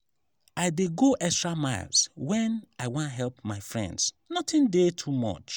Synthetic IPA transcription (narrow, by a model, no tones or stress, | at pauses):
aɪdeɡoʔɛkstɹamaɪlˠswɛ̃naɪwɔ̃nɦɛlpmaɪfɹɛ̰̃nds | nɔtɪ̃ndetʰumɔ̰t͡ʃ